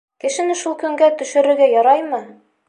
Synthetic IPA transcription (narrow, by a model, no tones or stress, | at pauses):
kɘ̆ʃɘ̆nɘʃulˠkɵ̆ŋɡæt̪ɵ̆ʃɘ̆ɾɘ̆ɾɡæjɒɾɑjmɤ